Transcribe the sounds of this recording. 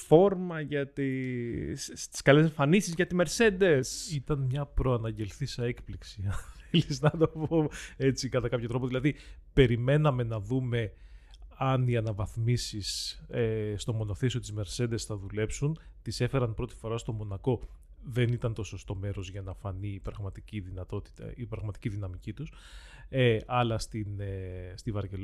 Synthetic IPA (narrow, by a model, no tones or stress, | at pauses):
fo̞ɾmɐʝɐt̪ist̪i̥skɐleseɱfɐnisizʝɐt̪ime̞ɾse̞nd̪e̞sit̪ɐnmɲɐpɾo̞ɐnɐɲɟe̞lθisɐe̞kpliksiɐnθeliznɐt̪opo̞e̞t͡sikɐt̪ɐkɐpçot̪ɾo̞p̬oðilɐðipe̞ɾime̞nɐme̞nɐðume̞ | ɐniɐnɐvɐθmisisest̪o̞mo̞no̞θesio̞t̪izme̞ɾse̞d̪esθɐðule̞psunt̪ise̞fe̞ɾɐnpɾo̞t̪i̥fo̞ɾɐst̪o̞mo̞nɐko̞ | ðe̞nit̪ɐnt̪o̞so̞st̪o̞me̞ɾo̞zʝɐnɐfɐniːpɾɐɣmɐt̪iciðinɐt̪o̞t̪i̥t̪ɐ̰ipɾɐɣmɐt̪i̥ciðinɐmicit̪us | eʔɐlɐst̪inest̪ivɐɾʝel